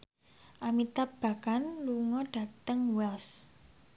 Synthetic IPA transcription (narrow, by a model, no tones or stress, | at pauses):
ʔamit̪ab̥a̤kanluŋɔɖ̥ä̤t̪əŋwɛls